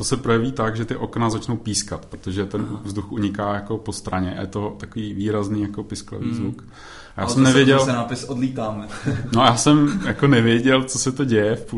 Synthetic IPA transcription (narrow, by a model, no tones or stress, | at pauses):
t̪osɛpɾojɛviːt̪aɡʒɛt̪ɪʔo̞knazat͡ʃno̞wpiːskat̪pɾot̪oʒɛt̪ɛnvzduxʔuɲɪkaːjako̞po̞st̪ɾaɲɛʔa̰jɛt̪o̞t̪akoviːviːɾazniːjako̞pɪsklo̰vḭːzvuk | ajaːsɛmnɛvjɛɟɛlnaːpɪsodliːt̪aːmɛnojaːsɛmjakonɛvjɛɟɛlt͡sosɛt̪oɟɛjɛfpu